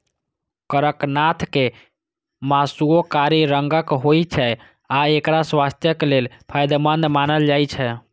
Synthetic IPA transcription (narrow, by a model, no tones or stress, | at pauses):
kəɾəknat̪ʰke | masuokaɾiɾəŋɡəkɦojt͡ʃʰɛ | aekɾaswast̪ʰjəklelpʰajd̪mənd̪manəld͡ʒajt͡ʃʰɛ